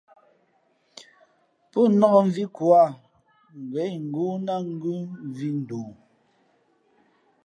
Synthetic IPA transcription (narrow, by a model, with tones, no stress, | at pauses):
pɔ˦nɔ˦ɣɔ˦˨m˦vi˦kwa˦˨ | ŋ˨ɡɛ˨˦ŋ̩˨ɡu˦na˦ŋ̩˦ɡʉ˦m˨vi˦n̩˨duː˨